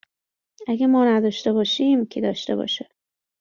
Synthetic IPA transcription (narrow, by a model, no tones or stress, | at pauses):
æɡæmɒːnæd̪ɒːʃt̪ebɒːʃiːmcʰed̪ɒːʃt̪ḛbɒ̰ːʃe̥